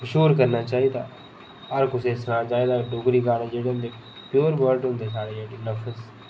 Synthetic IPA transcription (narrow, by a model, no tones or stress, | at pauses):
ʃuːɾkəɾnaːt͡ʃaːɦit̪a̰ | əɾkʊsesnãːt͡ʃaːɦid̪aɖʊɡɾikaːɽẽd͡ʒeːɽend̪e | pjuːɾʋəɾʈɦʊ̃nd̪esaːɽeeːɽinəfəz